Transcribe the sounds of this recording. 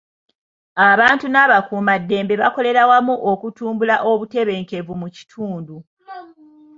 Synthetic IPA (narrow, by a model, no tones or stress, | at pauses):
aβaːntunaβakuːmadːe̞ːmbe̞βako̞le̞ɾawamuʔokutuːmbulaʔo̞βute̞βe̞ːŋke̞vumuci̥tʰuːndu